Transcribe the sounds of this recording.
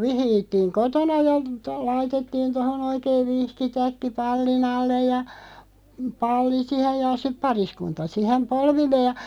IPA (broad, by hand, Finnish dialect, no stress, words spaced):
ʋihiːtːiːŋ kotonɑ jɑ to lɑitetːiːn tohon oikeiʋ̆ ʋihkitækːi pɑlːin ɑlːej jɑ pɑlːi sihej jɑ sip̆ pɑriskuntɑ sihem polʋilːeː jɑ